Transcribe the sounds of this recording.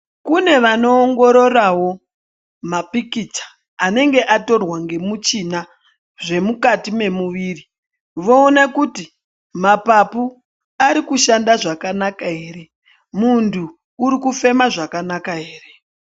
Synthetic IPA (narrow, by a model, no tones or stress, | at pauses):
kune̞ʋano̞ːŋɡo̞ɾo̞rawo̞ | mapikit͡sḁː | ne̞ŋɡe̞ʔato̞rwaŋɡe̞mut͡ʃina | ʐe̞mukatime̞muʋiːri | ʋo̞ːnakuti | mapapu | aɾikuʃandaʐakanakaɦe̞ːɾe̞ | muntʰuː | ɾikufe̞maʐakanakaɦe̞ːre̞